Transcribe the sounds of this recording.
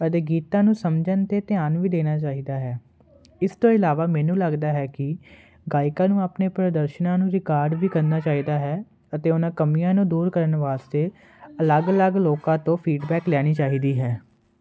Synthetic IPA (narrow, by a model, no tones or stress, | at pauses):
ət̪eːɡiːt̪ãːnũːsəmd͡ʒənt̪eːt̪ɪaːnʋiːd̪eːnaːt͡ʃaːiːd̪aːɦɛː | ɪst̪õːɪlaːʋaːmɛ̃ːnũːləɡd̪aːɦɛːkɪ | ɡaːɪkãːnũːaːpneːpɾəd̪əɾʃənãːnũːɾɪkaːɾɖʋiːkəɾnaːt͡ʃaːiːd̪aːɦɛː | ət̪eːʊnãːkəmijãːnũːd̪uːɾkəɾənʋaːst̪eː | ələɡələɡloːkãːt̪õːpʰiːɖbɛːklɛːɽ̃iːt͡ʃaːiːd̪iːɦɛː